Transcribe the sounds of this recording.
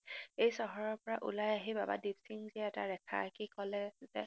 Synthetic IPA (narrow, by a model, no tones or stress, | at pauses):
ejsɔɦɔɹɔɹpɔɹaʔṵlajaɦibaba̰dipsiŋziɛɛta̰ɹɛkʰa̰kikɔlɛzɛ̰